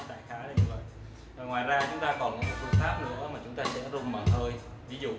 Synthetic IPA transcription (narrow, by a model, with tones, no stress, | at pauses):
t̪a̰ː˧˩jxaː˨˦la˧˩ɲɨ˧və̰˧˨j | ɔ˨˩ŋwa̰ː˧˨˩jzaː˧t͡ɕʊ˨˦ŋ͡mt̪aː˧kɔ˨˩nm̚˨˩˨kḭ˧˩əŋfaː˦˥p̚nɨ̰˧˥əmaː˨˩t͡ɕʊ˨˦ŋ͡mt̪aː˧sɛ̰˧˥zʊ˨˧˩ŋ͡mmə̰˧˩nhəː˧j | vi˨˦zṵ˧˨